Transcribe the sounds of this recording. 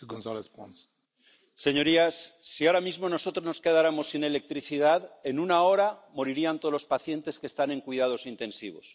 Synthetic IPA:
ɡõnzɔlespɔ̃ns | se̞ɲo̞ɾiasːiaɾamizmo̞no̞so̞t̪ɾoznoske̞ðaɾamo̞sine̞le̞k̚t̪ɾiθiðaðe̞nunao̞ɾamo̞ɾiɾiant̪olo̞spaθje̞nt̪e̞ske̞st̪ane̞ŋkwiðað̞o̞sint̪ẽ̞nsiβo̞̰s

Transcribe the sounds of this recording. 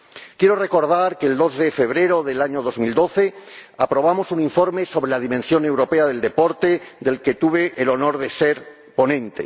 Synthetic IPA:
kje̞ɾore̞ko̞ɾð̞aɾkeeld̪o̞zðefe̞β̞ɾe̞ɾo̞ðe̞laɲo̞ð̞o̞zmild̪o̞θe̞apɾo̞β̞amo̞sunĩɱfo̞ɾmeso̞βɾelaðimẽnsjo̞ne̞wɾo̞pe̞aðe̞ld̪e̞po̞ɾt̪e̞d̪e̞lke̞t̪uβe̞ʔːlo̞no̞ɾðe̞se̞ɾ | po̞nẽ̞nt̪e̞̰

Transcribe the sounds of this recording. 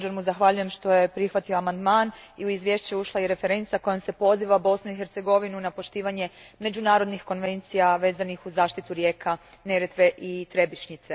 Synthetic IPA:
d͡ʒaɾmuzaxʋaʎuje̞mʃt̪o̞je̞pɾixʋat̪ioamand̪maːniuizʋje̞ʃt͡ɕeuʃlˠaiɾe̞feɾe̞nt̪sako̞jomse̞po̞ziʋabo̞snuixeɾt̪se̞ɡo̞ʋinunapo̞ʃt̪iːʋaɲe̞me̞d͡ʑunaːɾo̞d̪nixko̞nʋe̞nt̪sijaʋe̞ːzanixuzaːʃt̪it̪uɾje̞ːkʰa | ne̞ɾet̪ʋe̞ʔit̪ɾe̞biʃɲit̪se

